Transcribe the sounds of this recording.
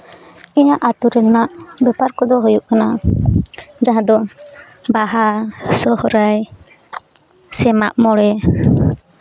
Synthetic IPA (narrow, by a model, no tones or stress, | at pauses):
iɲaʔat̪uɾɛlnaʔbɛpaɾkɔd̪ɔɦujuʔkana | d͡ʒaɦãd̪ɔ | baɦasɔhɔɾaj | sɛmaʔmɔɽɛ